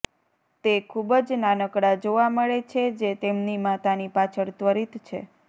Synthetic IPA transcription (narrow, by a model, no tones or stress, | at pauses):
t̪ekʰubd͡ʒnanəkɽad͡ʒoʋaməɭet͡ʃʰed͡ʒet̪emnimat̪anipat͡ʃʰəɽt̪ʋəɾit̪t͡ʃʰḛ